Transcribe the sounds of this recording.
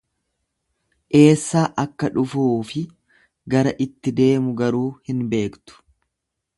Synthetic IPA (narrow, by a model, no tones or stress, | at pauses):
ʔe̞ːsːaːʔɐkːɐᶑʊfuːfɪ | ɡɐɾɐʔɪt̪ːɪd̪e̞ːmʊɡɐɾuːhɪnbe̞ːkt̪ʊ̥